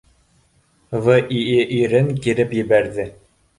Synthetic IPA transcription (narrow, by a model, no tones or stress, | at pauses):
vɤʔiʔiɾɘŋkiɾɘpjɘ̆βæɾðɘ